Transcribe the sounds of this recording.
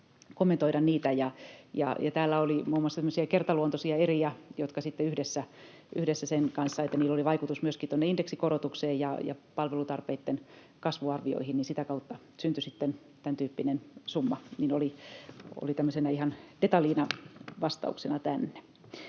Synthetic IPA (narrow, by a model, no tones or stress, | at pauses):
komːent̪oiɾɑnniːt̪æjɑjɑ̰jɑt̪æːlːæolimuːmːuɑsːɑt̪æmːøsiækert̪ɑluont̪osiɑeriɑjot̪kɑsit̪ːeyhdesːæ | ʔyhdesːæsenkɑnsːɑet̪ːæniːlːoliʋɑikut̪usmyøskit̪onːeindeksikorot̪ukseːjjɑjɑ̰pɑlʋelut̪ɑrpeit̪ːen | kɑsʋuɑrʋio̰ihinninsit̪ækɑut̪ːɑ | synt̪ysit̪ːen | t̪ænt̪yːpːinensumːɑninolio̰lit̪æmːøsenɑihɑnd̥et̪ɑliːnɑʋɑst̪ɑ̰ṵksenɑt̪ænːe̥